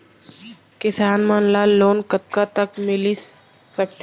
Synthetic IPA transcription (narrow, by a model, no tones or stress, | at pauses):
kɪsaːnmanlaloːnkət̪̚kat̪əkmɪli | sək̚t̪